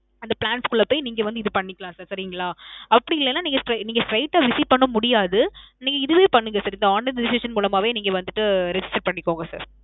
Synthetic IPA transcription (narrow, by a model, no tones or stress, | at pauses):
ɐnd̪ɐpɭaːnskɯɭːɐpoːjniːŋɡɐʋɐnd̪ɯɪðɯpɐɳːɪkːɐlãːsaːɾsɐɾɪŋɡɐɭãːɐpːɐɽɪɪlːɛnːaːniːŋɡɐsʈɾɐniːŋɡɐsɾɐɪʈːaːʋɪsipɐɳːɐmʊɽɪjaːðɯniːŋɡɐɪðɯʋeːpɐɳːɯŋɡɐsaːɾɪnd̪ɐaːnːɐɾɖɪsɪʂɐnmuːlɐmaːʋeːniːŋɡɐʋɐnd̪ɯʈːɯɾɛd͡ʒɪsʈɐɾpɐɳːɪkːoːŋɡɐsa̰ːɾ